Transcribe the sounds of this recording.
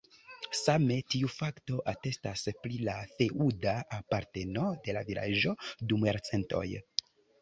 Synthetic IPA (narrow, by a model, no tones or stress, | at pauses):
same̞tiufakto̞ʔate̞stasplilafe̞ʔudaapaɾte̞no̞de̞lavila̰ʒo̞dumjaɾt͡se̞nto̞̰j